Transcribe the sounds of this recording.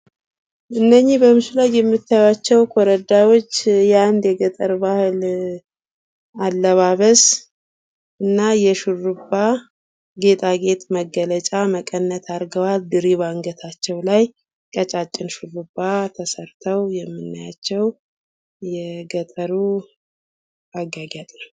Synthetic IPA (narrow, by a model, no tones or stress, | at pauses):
ʔɨnːəɲːibəmɨʃulajːɛmːɨt̪ʰːajwat͡ʃːɛwkʰoɾəd̪awo̞t͡ʃːjnd̪jɛɡət̪ʼəɾbahɨl | alːəβaβəs | ʔɨnːajɛʃurːubːa | ɡe̞t̪ʼʰaɡe̞t̪məɡːələt͡ʃʼaməkʼənːət̪ʰaɾɡəwald̪ɨɾiβaŋɡət̪ʰat͡ʃːɛwlaj | kʼət͡ʃʼat͡ʃʼːɪnʃurːubːat̪ʰəsəɾt̪ʰəwjɛmːɨnːajat͡ʃːɛw | jɛɡət̪ʼəɾu | aɡaɡat̪ʼnəw